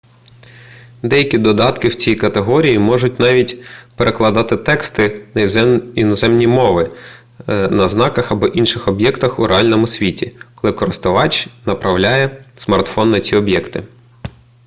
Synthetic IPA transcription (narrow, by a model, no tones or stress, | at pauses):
d̪ɛjɐkʲid̪ɔd̪ɑt̪kɪwt͡sʲijkɐt̪eɦɔɾʲijimɔʒʊtʲnɑʋʲitʲpeɾʔeklˠɐd̪ɑt̪ɪt̪ɛkst̪ɪ | inɔzɛmnʲimɔʋɪ | nɐznɑkɐxɐbɔʔinʃɪxɔbjɛkt̪ɐxuɾeɑlʲnɔmʊsʲʋʲitʲikɔlˠɪkɔɾɪst̪ʊʋɑt͡ʃnɐpɾɐwlʲajɛsmɐrt̪fɔnːɐt͡sʲiɔbjɛkt̪ɪ